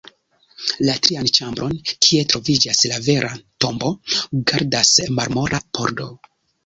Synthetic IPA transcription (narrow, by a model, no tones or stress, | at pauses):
latɾiant͡ʃambɾo̞nkʰie̞tɾo̞vid͡ʒaslave̞ɾʔato̞mbo̞ɡaɾdasmaɾmo̞ɾʔapo̞ɾdo̞̰